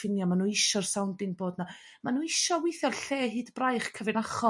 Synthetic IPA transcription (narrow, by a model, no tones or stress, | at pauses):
fɪnjamanuːɪʃɔrsawndɪŋboːdna | manuːɪʃɔwɪjθjɔrɬeːɦɨːdbrajχkʰəvɪnaχɔ